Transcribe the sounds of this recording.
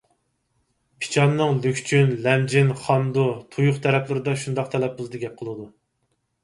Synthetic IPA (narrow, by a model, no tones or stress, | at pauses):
pʰi̥t͡ʃʰɑnːɨŋlykʲt͡ʃʰynlɛmd͡ʒɪnχɑnd̪ut̪ʰujʊχt̪ʰɛɾɛplɪɾɪd̪ɑʃund̪ɑqt̪ʰɛlɛp̚buzˠd̪ɨɡʲɛp̚qʰəlˠɨd̪u